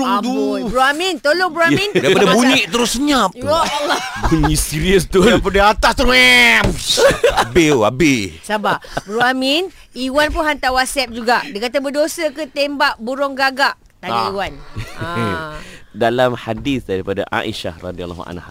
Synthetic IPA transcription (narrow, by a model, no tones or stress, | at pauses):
ʊŋt̪uubɾuamint̪oloŋbəɾuamĩndaipadabuɲĩʔt̪əɾʊsəɲap | buɲĩʔsiɾiəst̪udpadaat̪ast̪uɛ | abeabɪhsabaʔbɾuamin | iwanp̬unɦant̪awasɛp̚d͡ʒuɡaʔdikat̪abədosəkət̪embaʔbuɾɔŋɡaɡaʔ | t̪aiiwan | dalamhadiθdaɾipada̰ʔa̰ʔḭʃa̰hra̰dia̰l̰hṵa̰nah